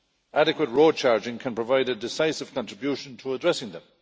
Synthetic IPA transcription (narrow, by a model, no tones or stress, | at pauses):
ʔaɾɪkwət̚ɹoːd̚t͡ʃʰaɹd͡ʒɪ̃ŋkʰə̃npʰɹ̥əvaɪɾədɪsaɪsɪv̥kʰɑ̃ntɹ̥ɪbjuʃə̃ntʰəːdɹɛsɪ̃ŋðə̃m